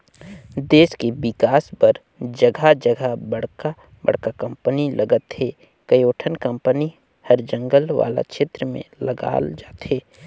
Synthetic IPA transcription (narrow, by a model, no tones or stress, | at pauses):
d̪eːskebɪkaːspɐɾ | d͡ʒɐɡʱad͡ʒəɡʱabɐɽka | bɐ̰ɽ̤kakɐ̃mpənilʔɐɡət̪ɦeː | kɐjoːʈʰənkə̃mpəni | hɐɾd͡ʒə̃ŋɡəlʋa̰ːla̰kʃeːt̪ɾəmḛ̃lɐɡa̰ːld͡ʒaːt̪ɦeː